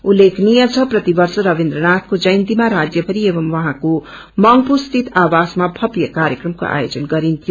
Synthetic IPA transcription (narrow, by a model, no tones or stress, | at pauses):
ulːekʰnijʌt͡sʰʌprʌt̪ibʌɾsʌɾʌbind̪ɾʌnat̪ʰkod͡zʌjnt̪imaɾad͡zjʌbʱʌɾiebʌmwʌɦãko | mʌŋpust̪it̪awasmabʱʌpjʌkaɾjʌkrʌmko̰ʔa̰jod͡zʌnɡʌɾint̪ʰjo